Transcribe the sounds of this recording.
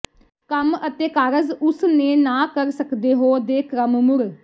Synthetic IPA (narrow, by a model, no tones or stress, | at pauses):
kəmət̪eːkaːɾəzʊsnẽːnãːkəɾsəkd̪eːɦoːd̪eːkʰɾəmmʊɾ